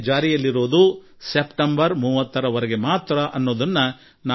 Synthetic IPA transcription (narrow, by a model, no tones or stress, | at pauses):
d͡ʒaːɾijɐlːiɾoːd̪u | sepʈɐmbɐɾmuːʋɐt̪ːɐɾɐʋɐɾɛɡe̞maːt̪ɾɐʔɐnːoːd̪ɐnːɐ | naː